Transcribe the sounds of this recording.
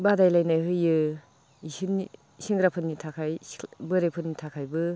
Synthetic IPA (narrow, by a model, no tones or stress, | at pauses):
badajlajnajɦɯjɯ | isini | siŋɡɾapʰɯnːitʰakʰajbɯɾepʰɯnːitʰakʰajbɯ